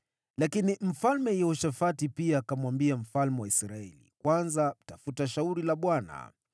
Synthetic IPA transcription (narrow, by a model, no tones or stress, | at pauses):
lakinim̩falmɛjauʃafatipiaːkamwambiam̩falmɛwaisɾaɛlḭkwanzatafutaʃauɾilaɓwana̰